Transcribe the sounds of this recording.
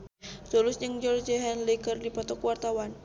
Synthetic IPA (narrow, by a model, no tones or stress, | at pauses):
solʊsɲəŋd͡ʒɔrd͡ʒəɦanlikərdipɔt̪ɔkwart̪awan